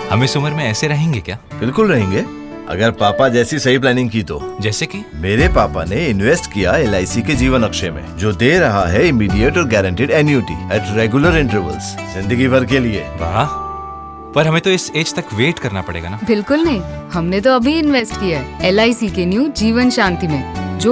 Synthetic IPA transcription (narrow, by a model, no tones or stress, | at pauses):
hɐmẽsʊməɾmẽɛːseɾɐɦẽːŋɡekjaːbɪlkʊlɾɐɦẽːŋɡeː | ɐ̰ɡəɾpaːpad͡ʒɛːsisɐɦip̬lɛːnɪ̃ŋɡ̚kit̪o̰ːd͡ʒɛːseki | meːɾepaːpa̰neɪnʋeːsʈkijaelaːisiked͡ʒiːʋənɐkʃemḛ̃d͡ʒoːd̪eːɾɐɦaɦɛɪmiːɖiəʈɔːɾɡɛːɾə̃ɳʈiːɖɛːnjuːʈḭɛːʈɾeːɡjʊləɾɪ̃ɳʈəɾʋə̰lsz̥ɪ̃nd̪əɡibɐɾkeliḛːʋa̰ː | pɐɾɦɐmẽt̪oɪseːd͡ʒt̪ɐkʋeːʈkɐɾnapɐɽḛːɡanaːbɪlkʊlnɐɦĩhɐmnet̪oɐbʱiɪnʋeːsʈkijaɦɛɛːlaːisikenjuːd͡ʒiːʋənʃãːnt̪imẽːd͡ʒoː